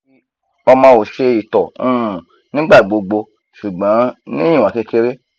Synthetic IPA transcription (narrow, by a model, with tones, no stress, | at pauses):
ɔ˧mãː˧o˨ʃe˧i˨tɔ˨ũ˦˨ | nĩ˦ɡ͡ba˦˨ɡ͡bo˧ɡ͡bo˧ | ʃu˨ɡ͡bɔ̃˨˦nĩ˦ĩ˦˨ã˨ke˧ke˧ɾe˦